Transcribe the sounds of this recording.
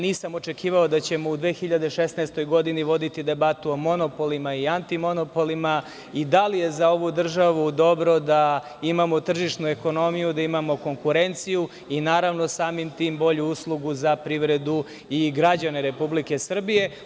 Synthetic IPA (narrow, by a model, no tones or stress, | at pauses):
niːsamo̞t͡ʃe̞kiːʋaod̪at͡ɕe̞moud̪ʋexiʎad̪e̞ʃesnɛst̪o̞jɡo̞d̪iniʋo̞d̪it̪id̪e̞bat̪uomo̞no̞polimaiant̪imo̞no̞po̞lima | id̪alije̞zao̞ʋud̪r̩ʒaʋud̪o̞bɾo̞d̪a | imamo̞t̪r̩ʒiʂnueko̞no̞mijud̪aimamo̞ko̞ŋkuɾe̞nt̪siju | inaːɾaʋno̞saːmimt̪iːmbo̞ʎuuslˠuɡuzapɾiʋɾe̞d̪u | iɡɾad͡ʑaneɾe̞publike̞sr̩bije̞